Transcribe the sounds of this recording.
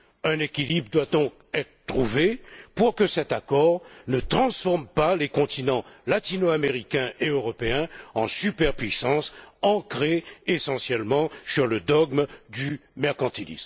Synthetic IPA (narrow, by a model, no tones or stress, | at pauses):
ɛ̃nekʲilibʁd̪wad̪ɔ̃k | ɛt̪χət̪χuvepuʁkəsɛt̪akɔʁnət̪χɑ̃sfɔʁmpalekɔ̃t̪inɑ̃lat̪inoameʁikʲɛ̃ʔeøʁɔpeɛ̃ɑ̃sypɛʁpɥisɑ̃sɑ̃kʁeːsɑ̃sjɛlmɑ̃syʁləd̪ɔɡmd̪ymɛʁkɑ̃t̪ilḭsm